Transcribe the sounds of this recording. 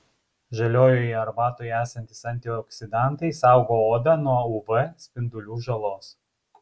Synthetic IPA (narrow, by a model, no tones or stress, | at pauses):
ʒɐlʲoːjoːjɐɾbɑːt̪oːjæːsɐnʲt̪ʲɪsɐnʲt̪ʲɪjoɔksʲɪd̪ɑˑnˑt̪ɐɪsɑˑʊɡoːoːd̪ɐnuɔʊʋɛsʲpʲɪnd̪ʊlʲuːʒɐlˠoːs